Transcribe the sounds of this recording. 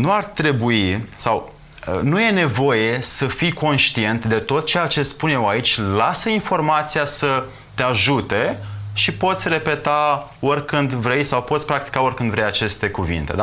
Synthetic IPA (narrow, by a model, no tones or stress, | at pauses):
nuart̪ɾe̞buisaw | ə̰nuje̞ne̞vo̞je̞səfijko̞nʃt̪ie̞nt̪d̪e̞t̪o̞t̪̚t͡ʃe̞jat͡ʃe̞spunje̞wait͡ʃʲlasəinfo̞rmat̪sijasə | t̪eaʒut̪e̞ʃipo̞t̪sʲre̞pe̞t̪a | o̞rʲkɨnd̪vɾe̞jsawpot̪sʲpɾak̚t̪i̥kao̞rʲkɨnd̪vɾejat͡ʃe̞st̪e̞kuvḭnt̪e̞̰d̪a